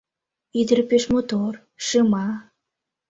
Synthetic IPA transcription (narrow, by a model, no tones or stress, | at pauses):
id̪əɾpeʃmot̪or | ʃɨmɑ